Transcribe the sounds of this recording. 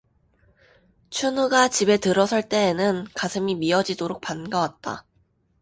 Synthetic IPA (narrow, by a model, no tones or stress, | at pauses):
t͡ɕʰunuɡat͡ɕibe̞tɯɾʌsʰʌɭt͈e̞ːnɯnkasʰɯmimiʌd͡ʑidoɾok̚panɡawat̚t͈a̰